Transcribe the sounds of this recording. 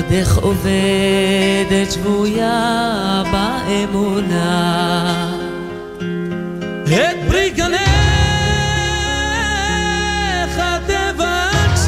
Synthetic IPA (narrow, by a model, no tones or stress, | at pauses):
d̪eχʔove | d̪etʃvuja | baemuna | het̪̚bɾiɡane | χat̪eva